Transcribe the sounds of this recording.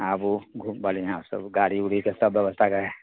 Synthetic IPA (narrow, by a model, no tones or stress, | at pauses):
abuɡʱubəliãːsə̰bɡaːɽiʊɽ̤ikesɐbːjəʋəst̪ʰaɡɐe